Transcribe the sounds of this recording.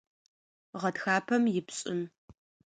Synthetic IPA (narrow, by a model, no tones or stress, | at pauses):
ʁɐtxaːpʰɐmjɪpɕʼɪ̰n